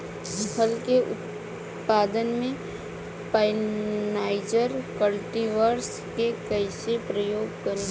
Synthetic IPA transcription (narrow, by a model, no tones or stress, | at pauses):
bʰəlkeʔʊ̰t̪̚ | paːd̪ənmẽ | paɪnaːɪd͡ʒəɾkəlʈiʋəɾs | kekəɪsepɾəjoːɡkəɾe